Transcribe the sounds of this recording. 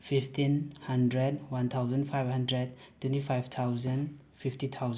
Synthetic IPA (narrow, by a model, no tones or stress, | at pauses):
pʰiptʰinhandɾɛdwant̪ʰawzənpʰajbɦandɾɛd̚ | t̪ʰːwɛ̃ntipʰajbt̪ʰawzən | pʰiftit̪ʰawz